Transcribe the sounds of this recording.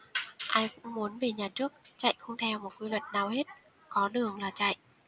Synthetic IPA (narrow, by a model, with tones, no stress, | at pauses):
ʔaː˧jkʊ̰˧˥ŋ͡mmu˨˦ənve˨˩ɲaː˨˩t͡ɕɨ˦˥ək̚t͡ɕa̰˧˨jxə˧wŋ͡mt̪ʰɛ˧wmo˨˩t̚kwi˧lwə˨˩t̚naː˨˩whe˦˥t̚ | kɔ˨˦ɗɨ˨˩əŋlaː˨˩t͡ɕa̰˧˨jʔ